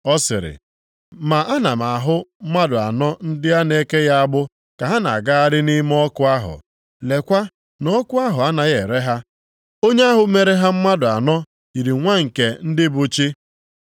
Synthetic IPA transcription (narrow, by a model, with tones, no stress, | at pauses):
ɔ˦sɪ̰˨ɾɪ̰˨ | ma˨ʔa˦na˨ma˨ɦʊ˦m̩˦ma˦dʊ˨a̰˨nɔ˦n̩˦dɪ˦a˦ne˦ke˦ja˦a˦bʊ˦ | ka˨ɦa˦na̰˨ɡa˦a˦ɾɪ˦ni˦m˦ɔ˦kʊ˦a˦ɦʊ̰˨ | le˨kʷa˦ | nɔ˦kʊ˦a˦ɦʊ˨a˦na˨ɣe˨ɾe˦ɦa˦ | o˦ɲe˦a˦ɦʊ˦me˨ɾe˦ɦa˦m̩˦ma˦dʊ˨a˨nɔ˦ | i˨ɾi˨ŋʷa˦ŋ̩˨ke˨n̩˦dɪ˦bʊ˦t͡ʃi˦